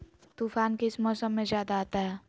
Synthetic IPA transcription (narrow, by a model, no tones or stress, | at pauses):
t̪uːfaːnkeɪsmɔːsəmːẽzjaːd̪aaːt̪aɦɛː